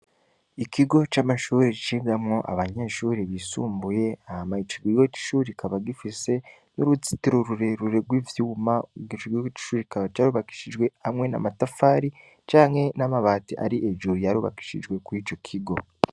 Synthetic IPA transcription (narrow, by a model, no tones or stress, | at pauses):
ikiɡo̞t͡ʃamaʃuːɾiit͡ʃiːmzamŋo̞ʔa̰βaɲeʃuːɾiβisṵːmbuje̞ahamait͡ʃiɡwiwoci̥ʃuːɾikʰaβaɡifise̞ | noɾuzi̥tiɾuɾuɾe̞ɾuɾe̞ɾɡwiːvjuːmaɡiʃiɡwiwoci̥ʃuːɾikaβat͡ʃaɾuβaki̥ʃiʒɡwe̞hamŋe̞na̰matafaːɾi | t͡ʃaːŋhe̞namaβaːtiʔa̰ɾiʔeʒuɾijaɾuːβa̰ki̥ʃḭʒwe̞kuit͡ʃo̞kʰiɡo̞